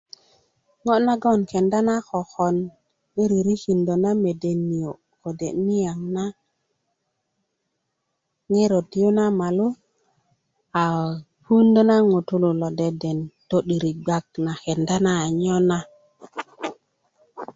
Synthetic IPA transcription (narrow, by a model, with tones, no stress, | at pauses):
ŋo˦na˦ɡo˦˨nke˨nda˦na˦ko˨xɔ˨n | ɗi˦ɾi˨ɾi˦ki˨ndo˨na˦me˨de˨nːi˨jo˨ | ko˨de˨ni˦ja˨ŋna˦ | ŋe˦ɾo˨ti˦jo˦na˦ma˨lu˦ | a˨ | pu˦ndo˦na˦ŋu˨tu˦lu˨lo˨de˨de˨nto˦ɗi˨ɾi˨ɡ͡ba˦˨kna˨ke˨nda˦na˦˨ɲo˦na˦